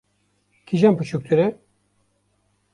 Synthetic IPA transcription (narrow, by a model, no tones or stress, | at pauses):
kʰiʒampɨt͡ʃʰuk̚t̪ʰuɾɛ